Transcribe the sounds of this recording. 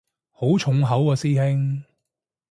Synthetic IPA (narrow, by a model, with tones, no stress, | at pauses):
ho˨˥wt͡ʃʰʊ˨˥ŋɦɐ˨˥wkɔː˧siː˥hɪ˥ŋ